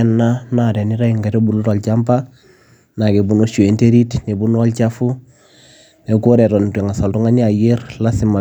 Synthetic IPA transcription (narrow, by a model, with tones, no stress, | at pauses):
nːa˦nadɛ˨ni˦ɾa˦i˨ŋɡa˨to˦bu˨lu˦to˨lt͡ʃampa | na˨ke˨bu˦nu˦ʃu˨e˨nte˦ɾi˦tne˨bu˦n˦ɔ˦lt͡ʃafu˦ | ne˨kuɾɛ˨ɾo˨n˨te˨ŋa˨sa˨ltu˦ŋa˦ɲ˦a˨jeɾla˦si˨ma˨